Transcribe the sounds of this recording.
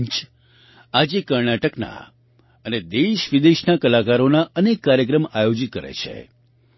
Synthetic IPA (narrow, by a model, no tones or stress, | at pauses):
t͡ʃ | ad͡ʒekəɾɳaʈəkna̰ | əned̪eʃʋid̪eʃnakəlakaɾonaʔənekːaɾjək̬ɾəmajod͡ʒit̪̚kəɾḛt͡ʃʰḛ